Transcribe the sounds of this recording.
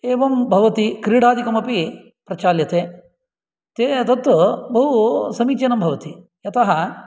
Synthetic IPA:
eːʋɐmbʱɐʋɐt̪ikɾiːɽaːd̪ʱikɐmɐpi | pɾɐt͡ʃaːljɐt̪eː | t̪et̪ɐt̪ːubɐɦusɐmiːt͡ʃɐnɐmbʱɐʋɐt̪i | jɐt̪ɐɦɐ

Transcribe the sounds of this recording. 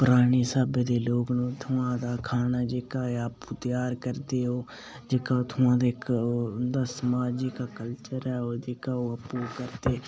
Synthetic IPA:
pəɾaːniːsaːbeːd̪eːloːknũːt̪ʰʊãːd̪aːkʰaːnaːd͡ʒeːkaːaːpuːt̪jaːɾkəɾd̪eːɦoː | d͡ʒeːkaːoːt̪ʰʊãːd̪ekːnd̪aːsəmaːd͡ʒikaːkəlt͡ʃəɾɛːoːd͡ʒeːkaːoːəpuːkəɾd̪eː

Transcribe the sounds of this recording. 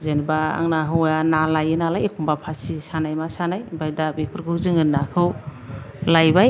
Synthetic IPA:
zenbaa̰ŋnaɦɯwjanalajɯnalajekʰumbapʰasisanajmasanajbajdabipʰɯɾkʰɯwzɯŋɯnːakʰɯw | lajba

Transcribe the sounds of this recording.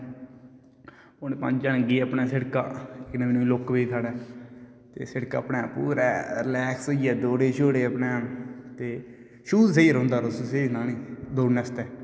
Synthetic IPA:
ʊneːpə̰̃nd͡ʒd͡ʒənɡiːəpnɛːseɽka̰ːɪknẽːmːnũːlokʋiːt̪ʰaːɽɛː | t̪ḛːsɪɽka̰ːpneːpːṵːɾɛ̰ːɾɪlɛːksiɛːd̪oːɽeːʃoːɽeːəpneːt̪eː | ʃuːzseiːɾõːnd̪aːɾosseiːnaːniːd̪oːɽnɛːst̪ɛː

